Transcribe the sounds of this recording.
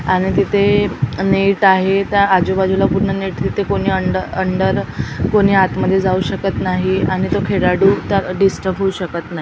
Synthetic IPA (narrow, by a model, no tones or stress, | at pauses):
aɽ̃it̪it̪ʰeneʈaɦet̪əɾad͡ʑobad͡ʑulapuɾɳəneʈt̪it̪ʰekoɽ̃iːəɳəəɳɖəɾkoɽ̃iːat̪məd̪ʱːjed͡zauɕəkət̪naɦiaɽ̃it̪okʰeɽaɽuːt̪əɾɖisʈəbɦouɕəkət̪naɦi